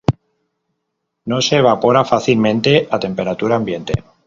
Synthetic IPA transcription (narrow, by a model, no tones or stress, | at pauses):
no̞se̞ːβ̞apo̞ɾafaθilmẽnt̪e̞ʔat̪e̞mpe̞ɾat̪uɾaːmbje̞nt̪e̞̰